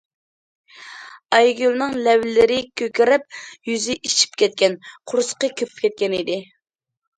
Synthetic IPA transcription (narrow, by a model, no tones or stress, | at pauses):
ɑjɡʲylˠnɨŋlɛwlɪɾɪkʲʰøkʲɪɾɪp̚jyzɪʔit͡ʃʰi̥p̚kʲʰɛt̪̚kʲɛnqʰʊɾsə̥qəkʲʰøpʰy̥p̚kʲʰɛt̪̚kʲɛnid̪ɪ